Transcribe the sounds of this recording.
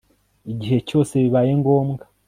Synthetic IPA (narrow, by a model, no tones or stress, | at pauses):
iɟiɦe̞co̞ːse̞βiβaje̞ŋɡo̞ːmɡa